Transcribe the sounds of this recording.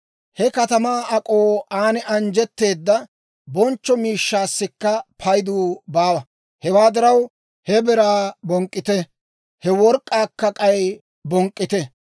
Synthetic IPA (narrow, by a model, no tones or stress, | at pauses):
hɛkɐt̪ɐmaːɐkʼoːaːnɛʔɐnd͡ʒɛt̪ːe̞ːd̪ːɐ | bɔnt͡ʃːɔmiːʃːaːsːɪkːɐpʰɐjd̪uːbaːwɐ | hɛwaːd̪ɪɾɐw | hɛbɛɾaːbɔŋkʼːɪt̪ɛ | hɛwɔɾkʼːaːkːɐkʼɐj | bɔŋkʼːɪt̪ɛ